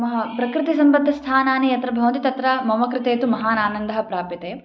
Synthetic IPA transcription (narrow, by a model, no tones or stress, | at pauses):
mɐɦɐpɾɐkɾɪt̪isɐmbɐnd̪ʱːɐst̪ʰaːnaːnijɐt̪ɾɐbʱɐwɐnt̪it̪ɐt̪ɾɐmɐmɐkɾɪt̪eːt̪umɐɦaːnaːnɐnd̪ɐɦɐpɾaːpjɐt̪eː